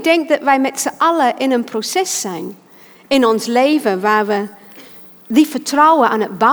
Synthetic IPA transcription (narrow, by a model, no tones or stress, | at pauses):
dɛ̃ŋk̚ðəʔvəɪmɛtsəʔʌləʔɪ̃nə̃npʰɹ̥osɛsːãɪ̃n | ɪ̃nɔ̃nsleɪvəvaːvə | ðifətʰɹaʊəʔə̃nət̚b̥a